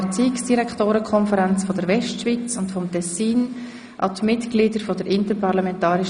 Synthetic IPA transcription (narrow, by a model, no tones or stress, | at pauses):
t͡siːksd̥iɾɛkχtoːɾəkʰχɔnfəɾɛnt͡sfɔdəɾvɛʃtʃvit͡sʊntfɔmtɛsiːn | ʔɑ̰tmɪtɡ̥lidəɾfɔd̥əɾɪntəɾpʰɑɾlɑmɛntɑːɾɪʃ